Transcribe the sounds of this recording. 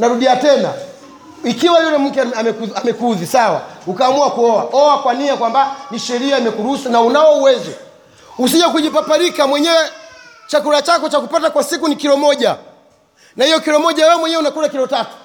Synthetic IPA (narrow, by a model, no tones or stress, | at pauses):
naɾuɗiatɛna̰ | ikiwajɔtɛm̩kɛamɛkuamɛkuðisawa̰ukaːmuakuɔwaɔwakwaniakwambaniʃɛɾiaimɛkuɾusanaunawɔuwɛzɔ | us̬iʄak̬uʄipapaɾikamwɛɲɛwɛ | t͡ʃakuɾat͡ʃakɔt͡ʃakupatakwasikunikiɾɔmɔʄa | nahijɔkiɾɔmɔʄawɛɔmwɛɲɛunakuɾakiɾɔtatu̥